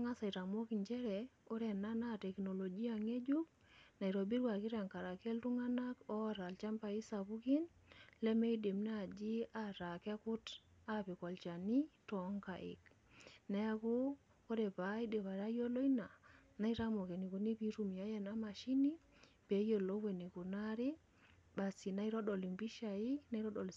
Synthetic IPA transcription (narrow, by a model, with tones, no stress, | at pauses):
ŋa˦sa˨i˨ɾa˨mo˦ki˨ɲt͡ʃɛ˦ɾɛ˨o˦ɾɛ˨na˦na˦tɛ˨kno˨lo˨d͡ʒi˦a˨ŋe˦d͡ʒu˦k̚ | na˨i˨ɾo˨bi˦ɾwa˨ki˦ɾa˨ŋka˨ɾa˨kɛ˦ltu˦ŋa˦na˦kɔ˦ɾa˨lt͡ʃa˦mpa˨i˦sa˨βu˦ki˦nlɛ˦me˦i˦de˨mna˦˨d͡ʒi˦a˦ɾa˨ke˦ku˦ta˦pi˨kɔ˨lt͡ʃa˨ni˦tɔ˨˦ŋka˨ʔḭ˨k | nɛ˦a˦ku˦ | kɔ˦dɛ˨pa˨i˦de˨βa˨ɾa˦jo˦lo˦ina˨na˦i˦ɾa˦mo˨kɛ˨ni˨ku˨ni˦pi˦ɾu˦mi˨a˦jɛ˦na˦ma˨ʃi˦ni˦ | b̥e˨˦jo˨lɔ˦we˨ni˨ku˨na˦ɾi | ba˨si˨na˦i˦ɾɔ˦ɗɔ˨li˨mbi˦ʃa˨i˦na˦i˦ɾɔ˦ɗɔ˨l